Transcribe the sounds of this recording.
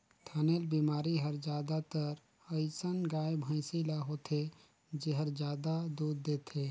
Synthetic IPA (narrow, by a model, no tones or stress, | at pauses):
t̪ʰaːneːlbiːmaːɾiɦəɾd͡ʒjaːd̪at̪əɾ | əɪsənɡaːebʱə̃ɪsilaɦoːt̪ʰe | d͡ʒeɦəɾd͡ʒjaːd̪ad̪uːd̪ːeːt̪ʰeː